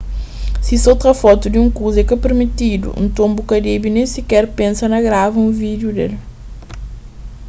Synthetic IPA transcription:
sisowt̪ɾɐfɔt̪ud̪iũŋkuzɛkɐpeɾmit̪id̪ṵʔṵ̃nt̪õmbukɐɾibinẽj̃sikɛɾpẽnsɐnɐɡɾavɐũvid̪jud̪ḛl

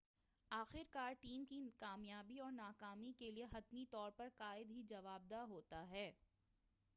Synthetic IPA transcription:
aːxɪɾkaːɾʈiːmkikaːmjaːbiɔːɾnaːkaːmikelieɦɐt̪mit̪ɔːɾpɐɾkaːɪd̪ɦid͡ʒɐʋaːb̚d̪aɦoːt̪aɦɛː

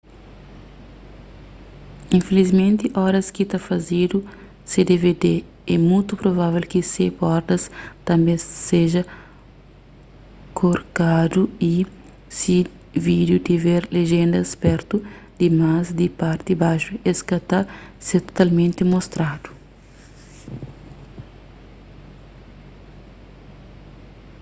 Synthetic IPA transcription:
ĩnfelizmẽnt̪iʔɔɾɐskit̪afɐzid̪u | sed̪eved̪e | ɛmujt̪upɾovavelkisepɔɾd̪ɐst̪ɐ̃mbẽseʒɐ | kʰoɾkad̪ui | si | vid̪jut̪iveɾleʒẽnd̪ɐspɛɾt̪u | d̪̥imazd̪ipaɾt̪ibaʃueskɐt̪aset̪o̥t̪almẽnt̪emost̪ɾad̪u̥

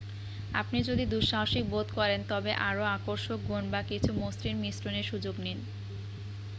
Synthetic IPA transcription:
a̰pnid͡ʑod̪id̪uɾʃaɦoʃik̚bod̪kɔɾent̪ɔbeʔaɾoakoɾʃok̚ɡʱonbakit͡ɕʰumost̪ɾiɾmisɾoneɾʃud͡ʑoɡnin

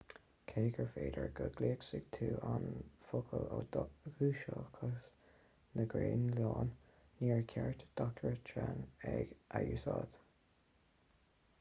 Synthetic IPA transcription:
kʰeːɡəɹfeːd̪əɹɡəɡleːksɪɡ̥̚t̪ʰuːʔanfʊkʰəloɡuːʃəkʰəs | nəɡɹeːnlɑːnː | iːɹkʰɛɹt̪d̪̥ɔk̚təɹət̪ʰɹanɛɡ̥ʔajuːsɑːd̪̥

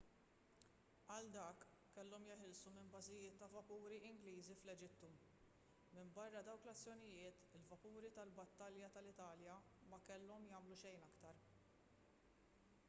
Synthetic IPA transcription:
ɐld̪ɐːkː | ɛlːɔmjɪħɪlsumɪnbɐzɪjɪːt̪ːɐvɐpuːɾiɪŋɡliːziflɛd͡ʒɪt̪ːu | mɪmbɐrːɐd̪ɐwklɐt͡sːjɔnɪjɪːt̪ɪlvɐpuːɾit̪ɐlbɐt̪ːɐljɐt̪ɐlɪt̪ɐːljɐ | mɐkɛlːɔmjɐːmluʃɛjnɐkt̪ɐɾ

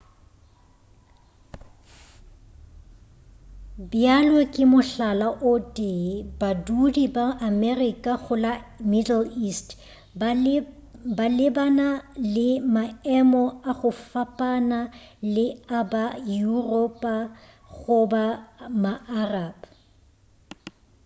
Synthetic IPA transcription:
bjalwekʼɪmʊɬalaʔʊtʼɪbadudibaʔːmɛrikʼaɣʊlamidl̩ist | balɪbanalɪmaɛmɔaɣʊfapʼana | lɪabajurɔpʼa | ɣʊbamaʔaraːb

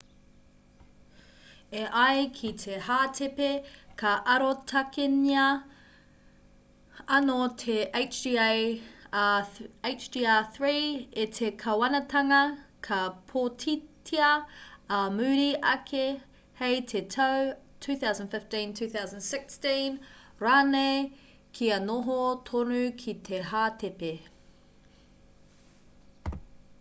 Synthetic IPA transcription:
eʔajkʰitʰehaːtʰepekʰɐʔɐɾotʰɐkenɐ | ɐnotʰeʔeɪt͡ʃdia | et͡ʃdiːaθɹiːetʰekʰɐwɐnɐtʰɐŋɐkʰɐpʰotʰitʰiɐɐmʉːɾiɐ̰kʰe | hejtʰetʰɐw | tʰʉːθawzə̃nfɪftĩntʰʉːθawzə̃nsɪkstĩn | ɹaːnej | kʰiɐnoɦotʰonʉkʰit̪ʰeɦaːtʰepe

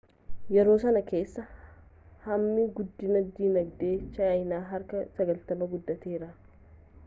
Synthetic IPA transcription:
jɛɾo̞ːsɐnɐke̞ːsːɐ | hɐmːiɡʊd̪ːɪnɐd̪ːiːnɐɡd̪e̞ːt͡ʃːɐɐjnaːɦɐɾkɐsɐɡɐlt̪ɐmɐɡʊd̪ːɐt̪eːɾɐ

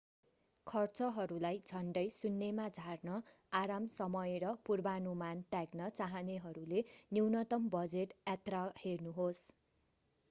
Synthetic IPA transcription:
kʰʌrt͡sʌɦʌɾulajd͡zʱʌnɖʌjsunːemad͡zʱarnʌ | aɾamsʌmʌjeɾʌpurbanumant̪jaɡnʌt͡saɦʌneɦʌɾuleniwnʌt̪ʌmbʌd͡zeʈjat̪rahernuɦos

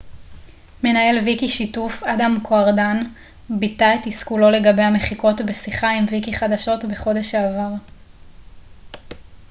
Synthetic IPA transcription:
me̞nae̞lvikiʃitufadamkʰo̞aʁdan | bitaetiskulo̞le̞ɡabe̞jhame̞χiko̞tbe̞siχaimvikiχadaʃo̞tbe̞χo̞de̞ʃaːvaʁ

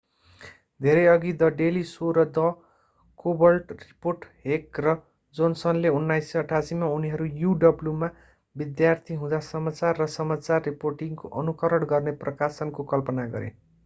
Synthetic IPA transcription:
d̪ʱeɾʌjʌɡid̪ʌɖelisoɾʌd̪ʌ | kobʌlʈriporʈɦekrʌ | d͡zonsʌnleunːajsːʌʌʈʰasimauniɦʌɾujuɖʌbljuma | bid̪jart̪ʰiɦũd̪asʌmat͡sarːʌsʌmat͡sarːiporʈiŋko̰ʔʌnukʌɾʌɽɡʌrneprʌkasʌnkokʌlpʌnaɡʌ̰ɾḛ

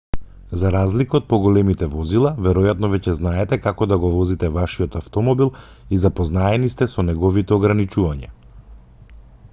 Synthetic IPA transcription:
zaɾazlikaot̪̚pɔɡɔlɛmit̪ɛvɔzilˠavɛɾɔjat̪nɔvɛcɛznaɛt̪ɛkakɔd̪aɡɔvɔzit̪ɛvaʃiɔt̪aft̪ɔmɔbilˠ | izapɔznaɛnist̪ɛsɔnɛɡɔvit̪ɛɔɡɾanit͡ʃuvaɲɛ

